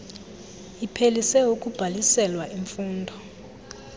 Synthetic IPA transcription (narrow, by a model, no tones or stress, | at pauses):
ipʰelisɛukʼub̥ʱalisɛlwaʔiɱfuːndʱɔ